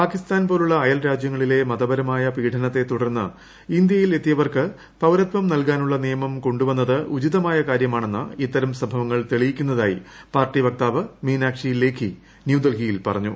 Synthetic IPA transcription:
paːkist̪aːnpo̞ːluɭːɐːjɐlɾaːd͡ʑjɐŋːɐɭile̞mɐðɐbɐɾɐmaːjɐpiːʈʰɐnɐt̪ːe̞t̪uɽɐrnːɨ̰ | ind̪jɐjile̞t̪ːijɐʋɐrkɨ | pɐwɾɐt̪ʋɐmnɐlkaːnuɭːɐnijɐmɐmko̞ɳɖuʋɐnːɐðɨʔut͡ɕit̪ɐmaːjɐkaːɾjɐmaːɳe̞nːɐ̰it̪ːɐɾɐmsɐbʱɐʋɐŋːɐɭt̪eɭijikʲːunːɐðaːjḭpaːrʈiʋɐk̚t̪aːʋɐmiːnaːkʂijilːe̞ːkʰːi | njud̪ɐlɡijilpɐrɐɲːu

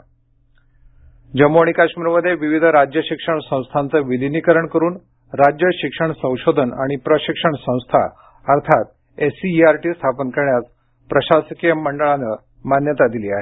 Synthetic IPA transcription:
d͡ʑəmoɳ̃ikaɕmiːɾməd̪ʱːjeʋiʋid̪ʱɾad͡ʑjəɕikʂəɳsə̃w̃st̪ʰant͡səʋid̪ʱinikəɾəɳkəɾuːn | ɾad͡ʑjəɕikʂəɳsə̃w̃ɕod̪ʱəna̰ɽ̃ipɾəɕikʂəɳsə̃w̃st̪ʰa̰ | əɾt̪ʰat̪ | esiːaɾʈiːst̪ʰapənkəɾɳjat͡s | pɾəɕasəkijəmːəɳɖəɭanə | manjət̪ad̪iliaɦe

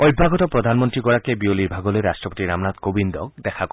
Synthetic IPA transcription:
ɔjbʱaɡɔt̪ɔpɾɔd̪ʱanmɔnt̪ɾikɔɽakebiolibʱaɡɔleɾastɾɔpot̪iɾamnat̪kobind̪ɔkd̪ɛkʰak

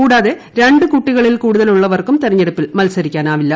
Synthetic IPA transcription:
kuːɽaːðe̞ | ɾe̞ɳɖɨkuːʈːiɣɐɭilkuːɽuðɐluɭːɐʋɐrkumt̪irɐɲːeɽupːilmɐlsɐɾikʲːaːnaːʋilːɐ

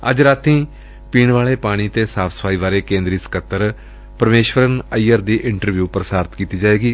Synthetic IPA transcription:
ə̰d͡ʒɾaːt̪ĩː | piːɳʋaːɭeːpaːɽ̃iːt̪eːsaːpʰsə̥pʰaːiːʋaːɾeːkẽːnd̪ɾiːsə̥kət̪ːəɾ | pəɾmeːʃʋəɾənəiːəɾd̪iːʔɪɳʈəɾʋjuːpɾəsaːɾt̪kiːt̪iːd͡ʒaːeːɡiː

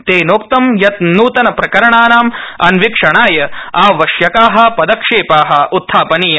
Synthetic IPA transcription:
t̪eːnoːkt̪ɐmjɐt̪nuːt̪ɐnɐpɾɐkɐɾɐɳaːnaːmɐnʋikʂɐɳaːjɐaːʋɐʃjɐkaːɦɐ̆pɐd̪ɐkʂeːpaːɦɐut̪ʰːaːpɐnijɐ

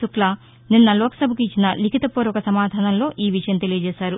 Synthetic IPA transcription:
uklɐ | ninːɐlɔːkɐ̥sɐbʱɐkit͡ʃːinɐlikʰit̪ɐpuːɾʋɐkɐsɐmaːd̪ʱaːnɐnlo̞ːʔiːʋiʂɐjɐmt̪e̞lijɐd͡ʒɛːsaːɾu

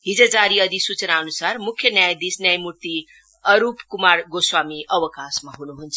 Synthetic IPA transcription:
ɦid͡zəd͡zaɾiʌd̪ʱisut͡snaʌnusaɾmukʰːjʌnjajd̪isnjajmuɾt̪i | ʌɾupkumaɾɡoswamiʌʋəkasmaɦunuɦunt͡sʰ

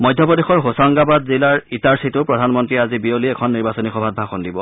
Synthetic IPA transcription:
mɔjdʱjɔp̬ɔdexɔɹɦosaŋɡabadzilaɹitaɹsitʊpɹɔdʱanmɔntɹiazibioliɛkʰɔnːiɹbasɔnixɔbʱad̚bʱaxɔndibɔ

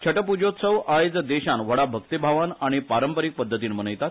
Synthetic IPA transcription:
t͡ɕʰəʈəpud͡ʑot̪səʋajd͡zəd̪eɕanʋəɽabʱəkt̪ibʱaʋanaɽ̃ipaɾəmpəɾiːk̚pəd̪ʱːət̪iːnm̤ənəjt̪at̪

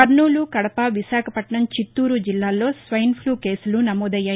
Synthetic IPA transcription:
ɐɾɳuːlukɐɽɐpɐʋisaːkʰɐpɐʈɳɐmt͡ʃit̪ːuːɾud͡ʒilːaːlːo̞ːsʋɐjnpʰluːke̞ːsulunɐmoːd̪ɐjːaːj

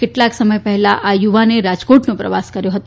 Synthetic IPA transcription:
keʈlaksəməjpəɦɛlaʔajuʋaneɾad͡ʒkoʈnũpɾəʋaskəɾjõɦət̪

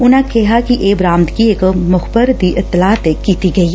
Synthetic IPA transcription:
ʊnãkɛɦakiʔeːbɾãːmt̪kiekmʊxbəɾd̪iʔɪt̪ːɪlaːt̪ekiːt̪iɡɐi

